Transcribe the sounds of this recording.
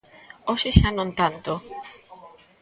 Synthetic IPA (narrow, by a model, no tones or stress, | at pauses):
oʃeʃanõnt̪ant̪o